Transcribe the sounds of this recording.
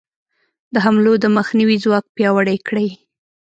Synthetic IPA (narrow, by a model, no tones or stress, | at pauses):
d̪əɦamlod̪əməxniwizwɑk̚pjɑwəɽajkɽəj